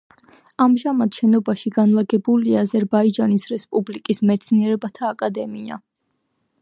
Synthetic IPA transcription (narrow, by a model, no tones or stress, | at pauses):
amʒamad̪̥ʃɛnɔbaʃiɡanlˠaɡɛbuliaːzɛɾbaid͡ʒanisɾɛspʼublikʼismɛt̪sʰniɛɾɛbat̪ʰaːkʼad̪ɛmia̰